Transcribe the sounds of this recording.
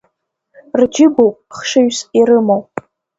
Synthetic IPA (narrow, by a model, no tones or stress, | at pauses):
rd͡ʒɪɡʷowpʼχʂɨɥsiɾɨmowpʼ